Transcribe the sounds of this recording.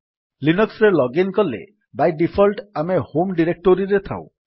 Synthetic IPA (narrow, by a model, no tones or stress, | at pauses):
linɔksɾelɔɡinkɔlḛ | bajɖipʰɔlʈamehomɖiɾek̚ʈoɾiɾet̪ʰa̰w̰̃